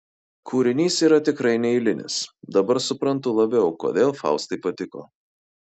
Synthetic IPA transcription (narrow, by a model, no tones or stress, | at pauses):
kʰuːɾʲɪnʲiːsiːɾɐt̪ʲɪkɾɐɪnʲɛɪlʲɪnʲɪ̰sd̪ɐbɐɾsʊpɾɐnt̪ʊlˠɐbʲɛʊko̰ːd̪ʲeːlˠfɑ̰ˑʊst̪ɐɪpɐt̪ʲɪko̰ː